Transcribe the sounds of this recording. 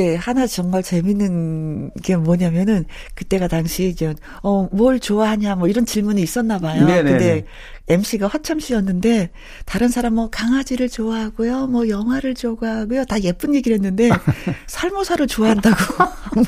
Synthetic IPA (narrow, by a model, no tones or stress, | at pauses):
ehanat͡ɕʌŋmaɭt͡ɕe̞minːɯnɡemwʌɲamjʌnɯn | kɯt͈e̞ɡataŋɕʰid͡ʑen | ʌmʌɭt͡ɕoaɦaɲamwʌiɾʌnt͡ɕiɭmuniis͈ʌnːabajoɯde̞ | e̞mɕ͈ʰiɡahʌt͡ɕʰamɕ͈ʰiʌnːɯnde̞ | taɾɯnsʰaɾamːʌkaŋad͡ʑiɾɯɭt͡ɕoaɦaɡojomwʌjʌŋɦwaɾɯɭt͡ɕoɡaɡetaje̞p͈ɯnje̞ɡiɾɦe̞nːɯnde̞sʰaɭmosʰaɾɯɭt͡ɕoaɦandaɡo